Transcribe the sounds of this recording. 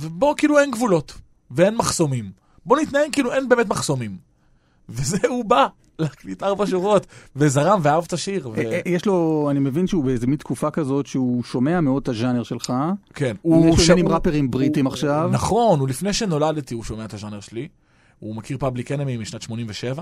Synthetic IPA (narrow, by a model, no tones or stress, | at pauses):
vebo̞kiːluenɡvulo̞t | vee̞nmaχso̞mim | bo̞nit̪naeŋkiːluʔe̞nbe̞ːmetmaχso̞mim | vezeuba | leaklitaʁbaʃ̬uʁo̞tvezaʁamveaavt̪aʃiʁvejeʃlo̞animevinʃeubeezemint̪kufakazo̞tʃeuʃo̞me̞ameo̞d̪̚t̪aʒaneʁʃelχake̞nuujɛʃoimʁapeʁimbʁitimaχʃavnaχo̞nulifne̞jʃe̞no̞ladt̪iuʃo̞meaet̪aʒaneʁʃeli | umakiʁpablikenemimiʃnatʃmo̞nimveʃe̞va